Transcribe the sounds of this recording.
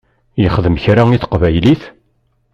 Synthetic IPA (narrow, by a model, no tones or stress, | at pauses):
jəχðəmçɾaiθqvæjliθ